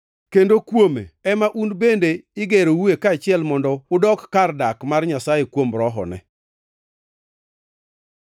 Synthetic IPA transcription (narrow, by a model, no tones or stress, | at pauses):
kendokwomḛɛmaʔunbendeɪɡeɾowuekaːt͡ʃɪɛlmɔndɔʊdɔkːardakmarɲasajekwomɾɔɦɔ̰nɛ̰